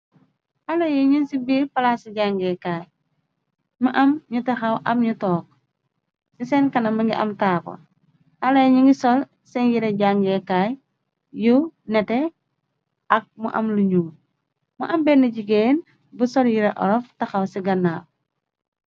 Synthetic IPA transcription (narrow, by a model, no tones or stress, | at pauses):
ʔɐlɐjiɲinsibiːpɐlasiɟaŋɡɛkaːj | mɐʔɐmɲutɐxɐwʔɐmɲutɔːk̚ | sisɛnkɐnɐmɐŋɡiʔɐ̰mtaːpɐ̰ | hɐlɐjɲuŋɡisɔl | sɛnjiɾɛɟaŋɡɛkaːj | junɛtɛ | ɐk̚mṵʔɐ̰mluɲuː | muʔɐmbɛnɐɟiɡen | busɔljiɾɛʔɔ̰ɾɔftɐxɐwsiɡɐnːaːp̚